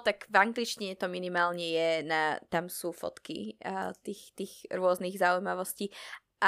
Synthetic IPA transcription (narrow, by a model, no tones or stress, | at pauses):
t̪aɡvaŋɡlit͡ʃciɲɛt̪ɔminimaːlɲɛjɛnat̪amsuːfɔ̰t̪kḭt̪ixt̪iːɣɾʊɔzniɣzaujmaʋɔsciː | ʔa